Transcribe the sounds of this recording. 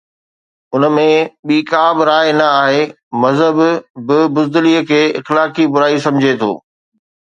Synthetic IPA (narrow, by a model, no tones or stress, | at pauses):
ʊnəmẽɓiːkaːbɪɾaːɪnɐaːɦe | mɐzɦəbbɪbʊzd̪ɪliːəkʰeːɪ̰xlaːkibʊɾaːisɐ̃md͡ʑʱet̪ʰo̰ː